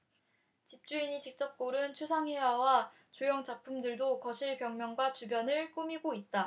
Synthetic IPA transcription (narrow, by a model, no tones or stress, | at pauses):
t͡ɕip̚t͡ɕ͈uiɲit͡ɕik̚t͡ɕ͈ʌp̚k͈oɾɯnt͡ɕʰusʰaŋɦewawa | t͡ɕojoŋt͡ɕak̚pʰumdɯɭdokʌɕʰiɭpjʌŋmjʌŋɡwat͡ɕubjʌnɯɭk͈umiɡoit̚t͈a